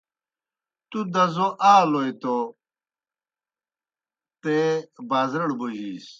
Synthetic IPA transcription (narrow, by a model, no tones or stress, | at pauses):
t̪ud̪ɐzoʔaːlojt̪o | t̪ebaːzɾɐɽbuʑiːs